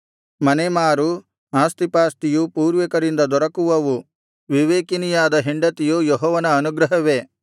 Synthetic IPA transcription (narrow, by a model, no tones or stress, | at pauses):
mɐnemaːɾu | aːst̪ipaːst̪ijupuːɾʋɐkɐɾind̪ɐd̪ɔɾɐkuʋɐʋu | ʋiʋeːkinijaːd̪ɐɦeɳɖɐt̪ijujɔɦɔːʋɐnɐːnuɡɾɐɦɐʋe